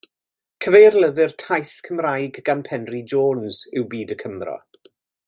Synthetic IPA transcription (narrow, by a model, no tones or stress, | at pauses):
kʰəvejrləðɪrtʰajθkʰəmrajɡɡanpʰɛnrid͡ʒoːnz̥ɪwbiːdəkʰəmrɔ̰